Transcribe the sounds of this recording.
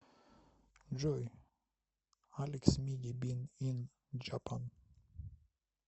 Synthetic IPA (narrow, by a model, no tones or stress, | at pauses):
d͡ʒɔj | aleksmiɡibinin | d͡ʒapʰan